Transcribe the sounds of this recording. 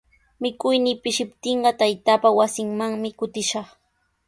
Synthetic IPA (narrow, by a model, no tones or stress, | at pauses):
mɪkʊjnɪːpɪʃɪpt̪ɪɴɢɑt̪ajt̪aːpawasɪŋmaŋmɪkʊt̪ɪʃɑχ